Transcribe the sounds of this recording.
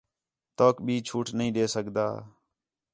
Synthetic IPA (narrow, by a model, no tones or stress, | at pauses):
t̪oːkbʱiːt͡ʃʰuːʈnəɦĩːɗ̪eːsəkd̪a̰ː